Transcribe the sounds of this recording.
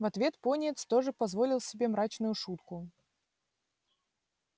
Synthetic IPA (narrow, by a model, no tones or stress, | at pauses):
vɐt̪vʲe̞t̪ponʲet̪st̪o̞ʐɨpɐzvo̞lʲɪlˠsʲɪbʲe̞mɾat͡ɕnʊjʊʂut̪kʊ